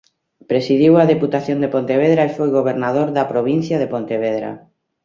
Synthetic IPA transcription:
pɾesiðiwɐðeput̪aθjond̪epont̪eβ̞eðɾaefojɣoβeɾnaðoɾðapɾoβ̞inθjaðepont̪eβeðɾa̰

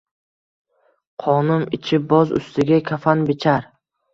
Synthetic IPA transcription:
qʰɒnʊmɪt͡ʃʰɪbɒzʊ̰st̪ʰɪɡʲakʲʰafanbɪt͡ʃʰaɾ

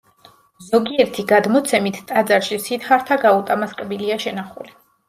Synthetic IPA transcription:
zɔɡiɛɾt̪ʰiɡad̪mɔt̪sʰɛmit̪ʰt̪ʼad̪zaɾʃisit̪χaɾt̪ʰaɡaut̪ʼamaskʼbiliaʃɛnaχṵli

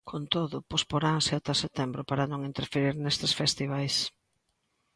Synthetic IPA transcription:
kʰont̪oðʊpospoɾaŋseat̪aset̪ɛmbɾʊpaɾɐnõŋint̪eɾfeɾiɾnest̪esfest̪iβajs

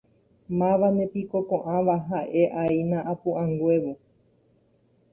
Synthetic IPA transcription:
mãʋanẽ̞piko̞kõʔãʋaɦaʔe̞ʔainãʔapũʔãŋɡʷe̞ʋo

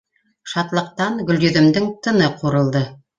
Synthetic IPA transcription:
ʃɑt̪lˠɤ̆q̚t̪ɑnɡɵ̆lj̪ɵ̆ðɘ̆md̪ɘŋt̪ʰɤ̆nɤqʰuɾɤ̆lˠd̪ɤ

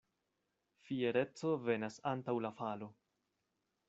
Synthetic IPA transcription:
fieɾe̞t͡so̞ve̞nasantawlafalo̞

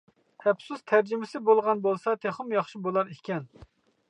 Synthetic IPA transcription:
ɛpsust̪ʰæɾd͡ʒɪmɪsɪbolˠʁɑnbolˠsɑt̪ʰeχʊmjɑχʃibolˠɑɾikʲɛn

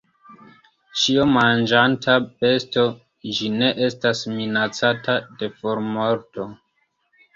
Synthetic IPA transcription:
t͡ʃiomand͡ʒantʰabe̞sto̞ | d͡ʒine̞ʔe̞stasminat͡satade̞foɾmo̞ɾto̞

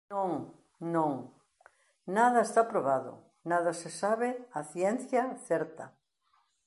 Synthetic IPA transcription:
nõŋ | nõŋ | naðɐest̪apɾoβ̞aðʊ̰ | naðasesaβɪaθjɛn̟θjaθɛɾt̪ɐ

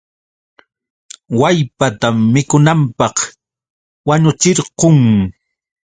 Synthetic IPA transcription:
wajpat̪amːɪkʊnampɑχ | waɲʊt͡ʃɪɾqoŋ

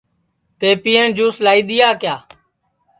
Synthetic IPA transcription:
t̪eːpɪːẽːɳd͡ʒuːslaːiːd̪ɪjaːkjaː

